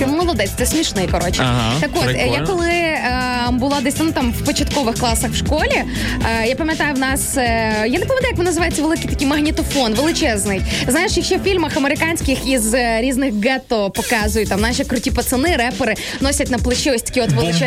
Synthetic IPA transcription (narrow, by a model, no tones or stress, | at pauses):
ɛmɔlˠɐd̪ɛsʲt̪sɛsʲmʲiʃnɪjkɐɾɔt͡ʃɛt̪ɐkot̪jakɔlˠɪ | bʊlˠɑd̪ɛsʲt̪nut̪amwpɔt͡ʃɐt̪kɔʋɪxklˠɑsɐxwʃkɔlʲi | japɐmʲjɐt̪ajʊwnɑsjanepɐmʲjɐt̪ajkʋɨnɐzɨʋajet͡sʲːɐʋelˠɪkijt̪ɐkʲijmɐɣnʲit̪ɔfɔnʋelˠɪt͡ʃɛznɪjznajɪʃjɐkʃɛwfʲilʲmɐxɐmeɾɪkanʲsʲkɪxizɾʲiznɪxɡɛt̪ɔpɔkɑzʊjʊt̚ʲt̪amnɑʃikɾʊtʲipɐt̪sɨnɪɾɛpeɾɪ | nɔsʲɐtʲnɐplˠɐʃiɔsʲt̪ɐ̥kʲiɔt̪ʋelˠɪt͡ʃɛ